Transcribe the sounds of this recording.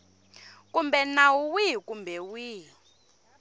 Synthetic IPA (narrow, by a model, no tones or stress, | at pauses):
kumbɛnawuwikumbɛwiː